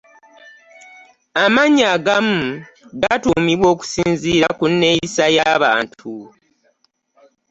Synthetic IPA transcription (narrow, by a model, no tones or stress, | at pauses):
amaɲaːɡam̩ɡatumiβwo̞ːku̥siːnziːɾakunːe̞jisajaβa̰ːntʰu